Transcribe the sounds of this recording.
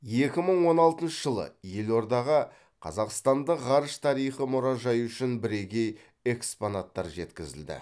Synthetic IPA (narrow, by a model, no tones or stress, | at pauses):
je̞kʲɪməɴwo̞nɑlˠt̪ənʃəʒəlˠə̰je̞lo̞ɾd̪ɑʁə | qʰɑ̰zɑqst̪ɑnd̪əqʁɑɾəʃt̪ʰɑɾijχəmʊɾɑʒɑjʏʃɪnbɪɾe̞ɡʲe̞j | e̞kspo̞nat̪ːɑɾʒe̞t̪kʲɪzɪ̰ld̪ɪ̰